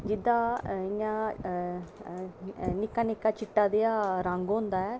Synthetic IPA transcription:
d͡ʒɪd̪aːɪɲã | nɪkːaːnɪkːaːt͡ʃɪʈːaːd̪ejaːɾãŋɡɦʊ̃nd̪aːɛː

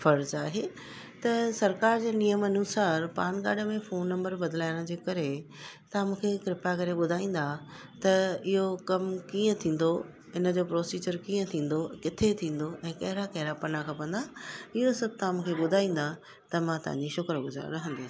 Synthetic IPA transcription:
fɐɾzaːɦeː | t̪ɐsɐɾkaːɾd͡ʑeːnijəmɐnuːsaːɾpaːnɡa̰ːɖəmẽfoːnːɐ̃mbəɾbɐd̪laːɪɽ̃d͡ʑeːkɐɾe | t̪ɐãmũːkʰekɪɾɪpakɐɾeɓʊd̪ʱaːĩːn̆d̪a | t̪ɐɪɦokɐmkiːə̃t̪ʰĩːn̆d̪o | ɪnə̆d͡ʑoːpɾoːsiːd͡ʑəɾkĩːə̃t̪ʰĩːn̆d̪okɪt̪ʰet̪ʰĩːn̆d̪oʔɛ̃ːkɐɦɪɾakɐɦɪɾapɐnakʰãːpɐ̃n̆d̪aɪɦosɐb̚ʱt̪aãmũːkʰeɓʊd̪ʱaːĩːn̆d̪a | t̪ɐmãt̪ɐ̰ɦã̰ɲd͡ʑiʃʊkɾəɡʊza̰ɾɐɦə̃nd̪e

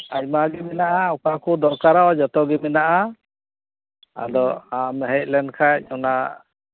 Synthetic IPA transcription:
ac̚maɡɛmɛnaʔaɔkakɔd̪ɔɾkaɾaɔd͡ʒɔt̪ɔɡɛmɛnaʔa | a̰d̪ɔamɦɛc̚lɛnkʰac̚ˀɔna

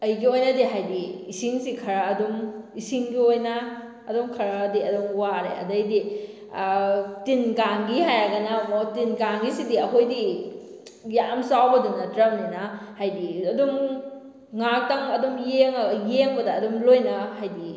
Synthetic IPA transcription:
ɐjɡiojnɐdiɦajdiisiŋsikʰɐɾɐːdumisiŋɡiojnɐː | dumkʰɐɾadiɐdumwaɾḛɐ̰dɐjdi | tinɡaŋɡihajaɡɐnɐmotinɡaŋɡisidiɐɦʰojdi | jamsawbɐduŋnɐtɾɐmninɐhajdiɐdum | ŋak̚tɐŋɐdumjeŋjeŋbɐdɐːdumlojnɐhajdi

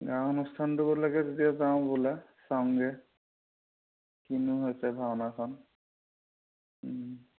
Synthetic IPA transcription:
ɡãʊ̃nɔstʰantubɔlaɡɛzetiazaʊ̃bɔlasaŋɡɛ | kinuɦojsɛbʱabnakʰɔn

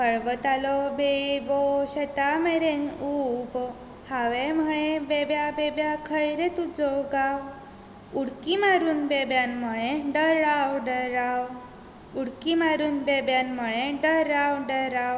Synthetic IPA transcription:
kəɭʋət̪alɔbebɔɕət̪ameɾenub | haʋem̤əɭ̃ebebjabebjakʰəjɾet̪ud͡zɔɡaw | uɽkimaɾuːnbebjanm̤əɭ̃ẽɖəɾawɖəɾaw | uɽkimaɾuːnbebjanməɭẽɖəɾawɖəɾaw

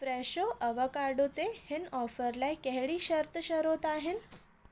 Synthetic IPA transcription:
fɾɛɕoʔəʋəkaɾɖot̪ehenɔfəɾlajkɛɦɭiːɕəɾt̪ʰəɕəɾot̪aɦen

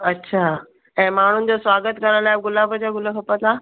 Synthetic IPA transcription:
ətːɕʰa | ɛ̃maɽ̤̃uːnd͡ʑosʋaɡət̪kəɾãlajb̚ɡulabəd͡ʑaɡuləkʰəpət̪la

